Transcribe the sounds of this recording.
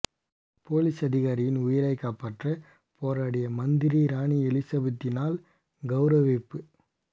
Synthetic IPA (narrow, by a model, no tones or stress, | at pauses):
poːlisɐðɪɣaːɾɪjɪnʊjɪɾɐɪkːaːpːaːʈrɐ | poːɾaːɽɐjɐmɐnd̪ɪɾiɾaːɳiɛlɪsɐbɐt̪ːɪnaːl | ɡɐʊɾɐʋepːɯ